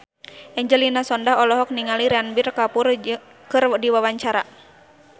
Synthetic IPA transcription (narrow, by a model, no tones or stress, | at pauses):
ʔɛɲd͡ʒɛlinasɔndaɦɔlɔɦɔk̚niŋaliɾanbirkapur | kɨrdiwawaɲt͡ʃaɾa